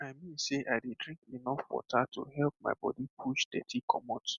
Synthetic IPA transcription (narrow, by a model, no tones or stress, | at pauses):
aɪmĩnseʔaɪdedɹĩŋkinɔfwɔ̰tʰatṵɦɛlp̚ma̰ɪbɔ̰dipʰuʃdɛ̰tʰikʰɔmɔt